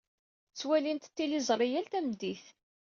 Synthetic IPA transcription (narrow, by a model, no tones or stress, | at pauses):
t͡sːwælint̪t̪ːilizˤɾˤijælt̪æmd̪iθ